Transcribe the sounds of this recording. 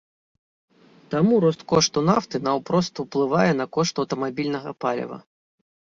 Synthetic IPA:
t̪amuɾɔst̪kɔʂt̪unaft̪ɨnɐwpɾɔst̪wplˠɨvajɛnɐkɔʂt̪ɐwt̪ɐmabʲilʲnɐɣɐpalʲɐ̰vɐ̰

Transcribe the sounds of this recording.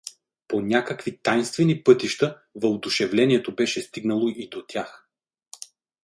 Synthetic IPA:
ponʲakəkvit̪ajnst̪vɛnipɤt̪iʃt̪ə | vɐod̪ʊʃɛvlɛniɛt̪obɛʃɛst̪iɡnəlˠoʔid̪ot̪ʲjax

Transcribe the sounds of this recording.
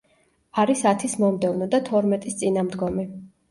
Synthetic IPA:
aɾisat̪ʰismɔmd̪ɛvnɔd̪at̪ʰɔɾmɛt̪ʼist̪sʼinamd̪ɡɔmi

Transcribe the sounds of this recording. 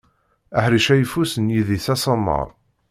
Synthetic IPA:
əħɾiʃæjəfusənjiðisæsˤəmːə̰ɾˤ

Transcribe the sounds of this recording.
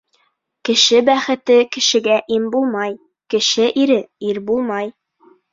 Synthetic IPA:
kɘ̆ʃɘbæχɘ̆t̪ɘkɘ̆ʃɘ̆ɡæʔimbulˠmɑj | kɘ̆ʃɘʔiɾɘiɾbulˠmɑj

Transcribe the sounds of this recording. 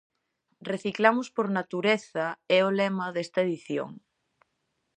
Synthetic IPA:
reθiklamʊspoɾnat̪uɾeθɐɛolɛmɐðest̪ɐeðiθjo̰ŋ

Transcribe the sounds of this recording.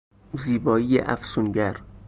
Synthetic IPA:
ziːbɒːiːjḛʔæfsunɟæɾ

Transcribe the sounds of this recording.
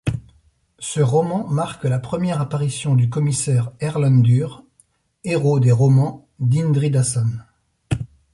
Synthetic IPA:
səʁɔmɑ̃maʁklapχəmjɛʁapaʁisjɔ̃d̪ykɔmisɛʁɛʁlɔ̃nd̪yʁ | eʁod̪eʁɔmɑ̃ | d̪ind̪ʁid̪asɔn

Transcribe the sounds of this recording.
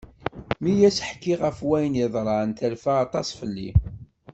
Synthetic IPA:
mijæsħkːiʁəfwæjnjɪðˤɾˤɑnt̪ælfæːt̪ˤɑsˤfəlːḭ

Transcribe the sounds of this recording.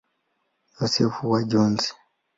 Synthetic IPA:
josefuwaɟoːnsi̥

